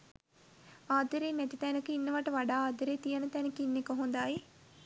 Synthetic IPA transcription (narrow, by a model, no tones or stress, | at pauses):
aːd̪əɾeːnɛt̪it̪ɛnəkəinːəʋaʈəʋaɖaːaːd̪əɾeːt̪ijənət̪ɛnəkinːekəɦund̪aj